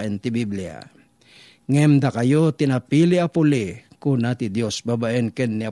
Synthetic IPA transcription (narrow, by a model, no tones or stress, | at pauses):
ʔɛnt̪ɪbiblia̰ | ŋɛmd̪akajot̪ɪnapilɪapʊlɪkunat̪ɪd̪josbabaʔɛnkɛnːia